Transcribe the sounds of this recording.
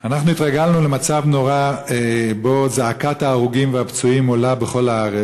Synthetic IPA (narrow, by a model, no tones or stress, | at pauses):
anaχnuit̪ʁaɡalnule̞mat͡savno̞ʁaebo̞zaakat̪aːʁuɡimveabt͡suimolabeχo̞laaʁe